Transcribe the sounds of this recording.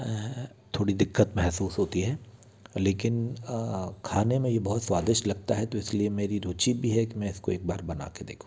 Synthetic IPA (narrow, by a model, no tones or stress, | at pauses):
t̪ʰoːɽid̪ɪkːət̪mɛɦsuːsɦoːt̪iɦɛː | leːkɪn | kʰaːnemẽjebɐɦʊt̪swaːd̪ɪʃlɐɡ̚t̪aɦɛt̪oɪsliemeːɾiɾuːt͡ʃibʱiɦɛkimɛ̃ɪskoeːk̚baːɾbɐna̰ːked̪ḛːkʰũ